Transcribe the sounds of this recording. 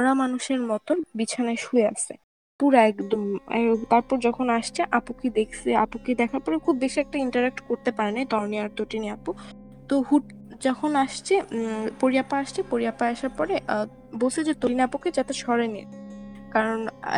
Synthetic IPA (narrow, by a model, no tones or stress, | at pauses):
ɾamanuʃeɾmɔt̪oɾbit͡ɕʰanaeʃuea̰ʃʰḛ | puɾaɛkd̪omɛt̪aɾpɔɾd͡ʑɔkʰonaʃt͡ɕʰeʔapokid̪ekʰseapokid̪ɛkʰaɾpɔɾekʰub̚beʃiɛk̚ʈaiɳʈaɾɛk̚ʈkoɾt̪epaɾenajt̪ɔɾniaɾt̪oʈiniapo | t̪ohuʈ | d͡ʑɔkʰonaʃt͡ɕʰepoɾiapaaʃt͡ɕʰepoɾiapaaʃaɾpɔɾeʔ | bolsʰeld͡ʑet̪oʈiniapoked͡ʑat̪eʃɔɾenḭkaɾon̰